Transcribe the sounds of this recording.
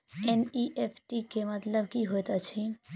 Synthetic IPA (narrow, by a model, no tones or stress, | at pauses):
eniʔepʰʈikemɐt̪ləbkiɦojt̪at͡ʃʰi